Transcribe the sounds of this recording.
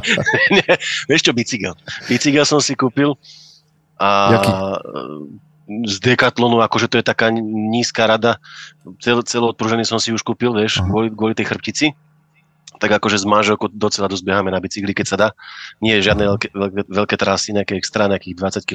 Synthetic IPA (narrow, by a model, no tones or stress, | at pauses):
ɲɛʋɪɛʃt͡ʃɔbit͡siɡɛlbit͡siɡɛlsɔmsikuːpil | ʔa | zd̪ɛkat̪lɔnuakɔʒɛt̪ɔjɛt̪akaːɲiːskaːɾad̪at͡sɛlt͡sɛlɔɔt̪̚pɾuʒɛnisɔmsiuʃkuːpilʋɪɛʃɡʊɔliɡʊɔlit̪ɛjxr̩p̚cit͡si | t̪aɡakɔʒɛzmanʒɛlˠkɔʊd̪ɔt͡sɛlad̪ɔzbɛɦamɛnabit͡siɡlikɛcsad̪aːɲɪɛjɛʒɪad̪nɛkɛɛʋɛlkɛt̪ɾasiɲɛakɛɛkst̪ɾaːnɛakiːɣd̪ʋat͡sacki